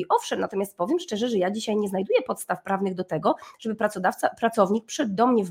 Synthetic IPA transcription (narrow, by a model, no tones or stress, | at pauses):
iʔɔfʂɛmnat̪ɔmjast̪̚pɔvʲjɛmʂt͡ʂɛʐɛʐɛjad͡ʑiɕajɲɛznajd̪ujɛpɔt̪st̪afpɾavnɘɣd̪ɔt̪ɛɡɔʐ̥ɛbɘpɾad̪aft̪pɾat̪sɔvɲik̚pʂɘd̪ɔmɲɛv